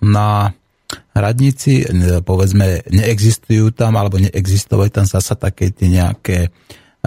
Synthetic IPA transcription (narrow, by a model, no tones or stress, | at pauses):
na | ɾad̪ɲit͡sipɔʋɛd͡zmɛɲɛɛɡzist̪ujuːt̪amalɛbɔɲɛʔɛɡzist̪ɔʋajuːt̪amzasat̪akɛːt̪iɛɲɛa̰kɛː